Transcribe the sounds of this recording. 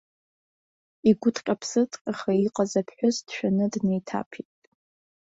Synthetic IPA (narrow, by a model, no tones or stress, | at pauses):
iɡʷʊtʰʼqʲʼapʰsɨtʼqʼaχaiqʼazapʰħʷᶣʊzd̥ʃᶣanɨdnejtʰa̰pʰitʼ